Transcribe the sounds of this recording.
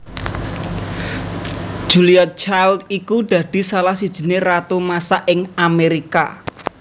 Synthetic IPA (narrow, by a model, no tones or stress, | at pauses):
ʒ̥ṳliat̪̚t͡ʃajld̪ikud̪̥ä̤d̪̥i̤salahsid̥ʒ̥i̤nerat̪omasaʔɪŋameɾika̰